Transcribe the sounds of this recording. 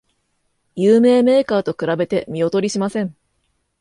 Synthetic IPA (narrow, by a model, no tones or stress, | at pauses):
jɯːme̞ːme̞ːkaːt̪o̞kɯ̟ɾabe̞t̪e̞mʲio̞t̪o̞ɾʲiɕimasẽ̞ŋ